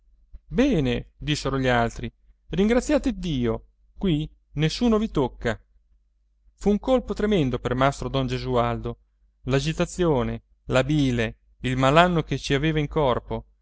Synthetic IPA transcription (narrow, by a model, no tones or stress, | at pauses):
bɛːned̪isːeɾoʎialt̪ɾi | riŋɡɾat̪sːjaːt̪ed̪ːiːo | kwi | nesːuːnovit̪okːa | fuːŋkolpot̪ɾemɛnd̪opermast̪ɾod̪ɔnd͡ʒezuald̪o | lad͡ʒit̪at̪sːjoːne | labiːle | ilmalanːoket͡ʃiaveːvaiŋkɔrpo